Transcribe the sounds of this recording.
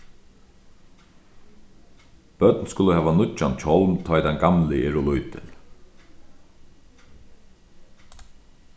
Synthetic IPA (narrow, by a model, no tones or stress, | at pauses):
b̥œt̪nskʊləhɦɛːʋanʊt͡ʃːant͡ʃʰɔwnt̪ʰɔːjt̪ʰanɡamlɪɛɾʊlujt̪ʰɪ̰l